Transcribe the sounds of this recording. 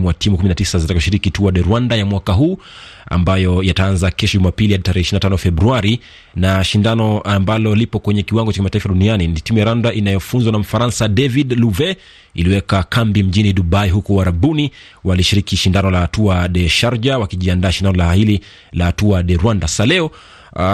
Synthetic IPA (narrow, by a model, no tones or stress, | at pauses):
mwatʰimukuminatisazitakʃiɾikituaɗɛɾwandajamwakaɦuː | a̰mbajɔjataanzakɛʃɔʄumapilihaɗitaɾɛhɛʃiɾinatanɔfɛbɾuaɾi | naʃindanɔʔambalɔlipɔkwɛɲɛkiwaŋɡɔt͡ʃakimataifaɗunianintimujaɾandaʔinajɔfunzwanam̩faɾansadɛvidluvɛ | iliwɛkakambim̩ʄiniɗuɓaiɦukɔaɾabuni | waliʃiɾikiʃindanɔlahatuaɗɛʃaɾd͡ʒawakiʄiandaːʃindanɔlaahili | lahatuaɗɛɾwandasḁsalɛɔ